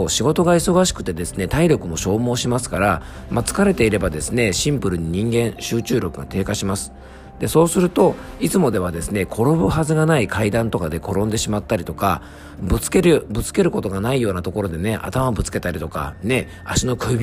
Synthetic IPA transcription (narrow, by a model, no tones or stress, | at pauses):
oɕiɡo̞t̪o̞ɡaiso̞ɡaɕi̥kɯ̟̥t̪e̞d̪e̞sɨne̞t̪aiɾʲo̞kɯ̟mo̞ɕo̞ːmo̞ːɕimasɨ̥kaɾa | mat͡sɨ̥kaɾe̞t̪e̞iɾe̞bad̪e̞sɨne̞ɕĩmpɯ̟ɾɯ̟ɲ̟iɲ̟ĩŋɡẽ̞ɰ̃ɕɨːt͡ɕɨːɾʲo̞kɯ̟ɡa̰t̪e̞ːkaɕimasɨ̥ | d̪̥e̞so̞ːsɨɾɯ̟t̪o̞it͡sɨmo̞d̪e̞β̞ad̪e̞sɨne̞kʰo̞ɾo̞bɯ̟ɦazɨɡanaikʰaid̪ãnt̪o̞kad̪e̞ko̞ɾõ̞nd̪e̞ɕimat̪ːaɾʲit̪o̞ka̰ | bɯt͡sɨ̥ke̞ɾɯbɯ̟t͡sɨ̥ke̞ɾɯ̟ko̞t̪o̞ɡanaijo̞ːnat̪o̞ko̞ɾo̞d̪e̞ne̞ʔa̰t̪amabɯ̟t͡sɨ̥ke̞t̪aɾʲit̪o̞ka̰ne̞ | aɕino̞kɯ̟bʲ